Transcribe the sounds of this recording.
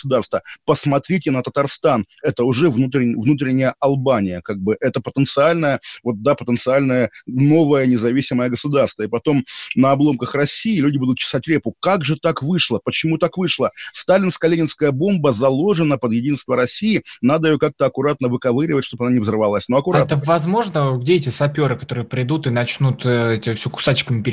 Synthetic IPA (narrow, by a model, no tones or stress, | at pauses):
sʊd̪arst̪vəpəsmɐt̪ɾʲitʲɪnət̪ət̪ɐrst̪an | ɛt̪əʊʐɛvnut̪ɾʲɪvnut̪̬ɾʲɪnʲɪjəʔɐlˠbanʲɪjəkaɡ̚bɨʔɛt̪əpət̪ənt̪sɨalʲnəjəvo̞t̪̚d̪apət̪ənt̪sɨalʲnəjəno̞vəjənʲɪzɐvʲisʲɪməjəɡəsʊd̪arst̪vəɪpɐt̪o̞mnəɐblˠo̞mkəxrɐsʲiɪlʲʉudʲɪbud̪ʊt̪̚t͡ɕɪ̥satʲlʲepʊkaɡʐɨt̪akvɨʂlˠəpət͡ɕɪmut̪akvɨʂlˠəst̪alʲɪnskəlʲenʲɪnskəjəbo̞mbəzɐlˠo̞ʐɨnəpəd̪jɪdʲinst̪vəɾɐsʲijɪnad̪əjɪjokak̚t̪əɐkʊɾat̪̚nəvɨkɐvɨɾʲɪvətʲʂt̪opɐnanʲɪvzərɨvɐlˠasʲnoɐkʊɾat̪əvɐzmo̞ʐnəɡ̚dʲeɛtʲɪsɐpʲo̞ɾɨkɐt̪o̞ɾɨjəpɾʲɪd̪ut̪ɨnɐt͡ɕnut̪ɛtʲɪfsʲokʊ̥sat͡ɕkəmʲɪpʲɪ